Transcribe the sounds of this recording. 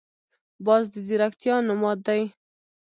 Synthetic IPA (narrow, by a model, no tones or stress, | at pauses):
bɑzd̪əziɾakt̪jɑnʊmɑd̪̚ːaj